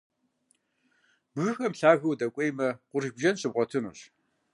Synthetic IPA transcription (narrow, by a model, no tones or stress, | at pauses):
b̥ɣɨxɐmɬaːɣɐwdɐkʷʼejmɐqʷʊɾbʒɐnɕʼɨb̚ʁʷɔtʰɨnṵːɕ